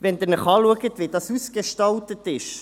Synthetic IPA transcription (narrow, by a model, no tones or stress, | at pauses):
ʋɛnd̪ɪɾnəχɑːluəɡətvidɑsusɡeʃtɑltətɪʃ